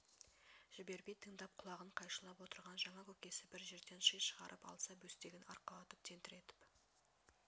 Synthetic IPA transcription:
ʒ̥ɪbe̞ɾbe̞jt̪ʰəŋd̪ɑp̚qʰʊlˠɑʁəɴqʰɑjʃəlˠɑpwo̞t̪əɾʁɑnʒɑɴɑkʲʰɵkʲe̞sɪbɪɾʒe̞ɾd̪e̞nʃəjʃəʁɑ̰ɾʔəpɑ̰lˠsɑbɵst̪e̞ɡʲɪnɑ̰ɾqɑlˠɑt̪əp̚t̪ʰe̞nt̪ɪɾe̞t̪ɪ̥p

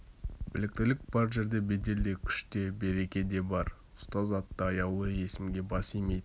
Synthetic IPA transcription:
b̥ɪlɪk̚t̪ɪlɪk̚b̥ɑɾʒe̞ɾd̪e̞be̞d̪e̞ld̪e̞kʲʰʏ̥ʃt̪e̞be̞ɾe̞kʲe̞d̪e̞bɑɾ | ʊ̥st̪ɑzɑt̪ːəɑjɑwlˠəje̞sɪmɡʲe̞bɑsijmejd̪ɪ

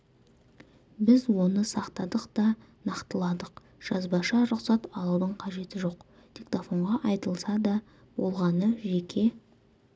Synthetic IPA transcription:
bɪzwo̞nəsɑqt̪ɑd̪əqt̪ɑ | nɑqt̪əlˠɑd̪əq | ʒ̥ɑzbɑʃɑɾʊqsɑt̪ɑlˠud̪əɴqʰɑʒe̞t̪ɪʒo̞q | t̪ʲʰekt̪ofo̞ɴʁɑʔɑjt̪əlˠsɑd̪ɑ | bo̞̰lˠʁɑnəʒekʲʰe̞

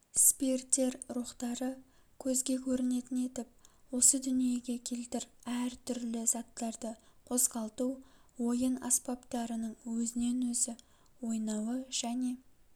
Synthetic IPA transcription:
spʲert̪ːe̞ɾɾuχt̪ɑɾə | kʲʰɵzɡʲe̞kʲʰɵɾɪne̞t̪ɪne̞t̪ɪp̚wo̞səd̪ʏnije̞ɡʲe̞kʲʰe̞lt̪ɪɾæɾt̪ʰʏɾlɪz̥ɑt̪ːɑɾd̪əqʰo̞zʁɑlˠt̪uwo̞jənɑ̰spɑpt̪ɑɾənəɴwɵzɪne̞nwɵzɪ | wo̞jnɑwəʒ̥æne̞

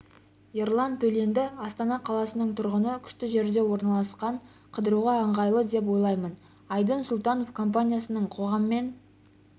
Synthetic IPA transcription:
je̞ɾlˠand̪ʰɵle̞nd̪ɪɑst̪ɑnɑqʰɑlˠɑsənəɴt̪ʰʊɾʁənəkʲʰʏ̥ʃt̪ɪʒe̞ɾd̪e̞wo̞ɾnɑlˠɑsqɑɴ | qʰəd̪əɾuʁɑəɴʁɑjlˠəd̪e̞p̬wo̞jlˠɑjmən | ɑjd̪ənsʊlˠt̪ɑno̞fkʰo̞mp̬anʲijasənəɴqʰo̞ʁɑməme̞n

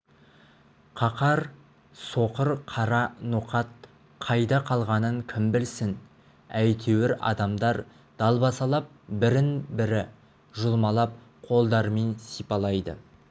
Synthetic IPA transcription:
qʰɑqɑɾ | so̞qəɾqʰɑɾɑnuqɑt̪ | qʰɑjd̪ɑqʰɑlˠʁɑnəŋkʲʰɪmbɪlsɪn | æjt̪ʰe̞wɪɾɑ̰d̪ɑmd̪ɑɾ | d̪̥ɑlˠbɑsɑlˠɑp̚bɪɾɪnbɪɾɪ | ʒʊlˠmɑlˠɑp̚ | qʰo̞lˠd̪ɑɾme̞nsijpɑlˠɑjd̪ə̰

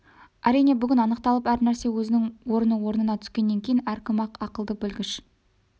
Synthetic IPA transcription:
æɾijne̞bʏɡʲɪnɑnəqt̪ɑlˠəpæɾnæɾse̞wɵzɪnɪŋwo̞ɾənəwo̞ɾnənɑt̪ʰʏ̥skʲe̞nːe̞ŋkʲʰe̞jɪnæɾkʲɪmɑqɑqəlˠd̪əbɵlɡʲɪʃ

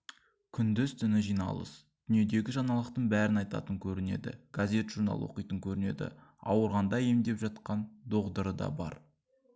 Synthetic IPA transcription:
kʲʰʏnd̪ʏzt̪ʰʏnɪʒijnɑ̰lˠə̰s | d̪̥ʏnije̞d̪e̞ɡʲɪʒɑnɑlˠəqt̪əɴbæɾɪnɑjt̪ɑ̰t̪əŋkʲʰɵɾɪne̞̰d̪ɪ̰ɡ̥azʲe̞t̪ʒuɾnɑ̰lˠwo̞̰qijt̪əŋkʲʰɵɾɪne̞̰d̪ɪ̰ɑwəɾʁɑnd̪ɑje̞md̪e̞pʒɑt̪̚qɑnd̪o̞ʁd̪əɾəd̪ɑ̰bɑ̰ɾ

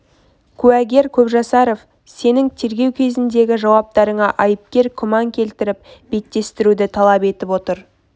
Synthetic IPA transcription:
kʲʰʉæɡʲe̞ɾkʲʰɵpʒɑsɑɾo̞f | se̞nɪŋt̪ʰe̞ɾɡʲe̞wkʲʰe̞zɪnd̪e̞ɡʲɪʒɑwɑp̚t̪ɑɾəɴɑʔɑjəp̚kʲe̞ɾkʲʰʏmɑŋkʲʰe̞lt̪ɪɾɪp̚be̞t̪ːe̞st̪ɪɾud̪ɪt̪ʰɑlˠɑpe̞t̪ɪpwo̞t̪əɾ

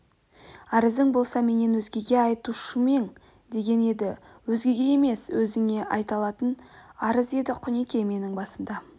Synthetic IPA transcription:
ɑɾəzɪŋbo̞lˠsɑme̞ne̞nwɵzɡʲe̞ɡʲe̞ɑjt̪uʃəme̞ŋ | d̪e̞ɡʲe̞ne̞d̪ɪ | wɵzɡʲe̞ɡʲe̞je̞me̞swɵzɪŋe̞ʔɑjt̪ɑlˠɑt̪ənɑɾəze̞d̪ɪqʰʊnekʲe̞me̞nɪŋbɑsəmd̪ɑ

